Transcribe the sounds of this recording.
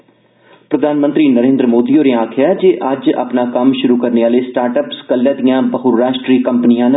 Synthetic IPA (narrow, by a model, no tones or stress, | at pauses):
pɾəd̪ʱaːnmə̃nt̪ɾiːnəɾẽːnd̪ɾəmoːd̪iːoːɾẽãːkʰɪjaːd͡ʒeːʔəd͡ʒə̰pnaːkəmʃʊɾuːkəɾneːaːleːsʈaːɾʈəːpskəlːjãːd̪ijãːbəɦʊɾːaːʃʈɾiːkəmpnɪjãːn